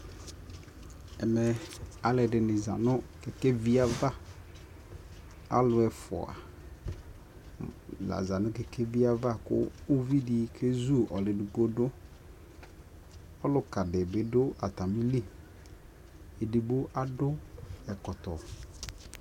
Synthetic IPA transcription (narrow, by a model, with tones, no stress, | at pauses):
ɛ˨mɛ˨a˨lɪ˨dɪ˨nɪ˨za̰˨nʊ̃˦kɛ˨kɛ˦vi˦a˦va˦ | a̰˦lʊ˨ɛ˨fʊ̰˨a̰˨ | la̰˨za˨nʊ̃˦kɛ˨kɛ˦vi˦a˦va˦kʊ̰˦o˦vi˦di˦kʰe˦zu˦ɔ˨lɪ˨dʊ˨ko˦dʊ˦ | ɔ˦lʊ˨ka˨dɪ˨bɪ˨dʊ˦a˨t̪a˨mĩ˦li˦˨ | e˨di˨bo˦ʔa˦dʊ˦ɛ˨kɔ˨t̪ɔ˨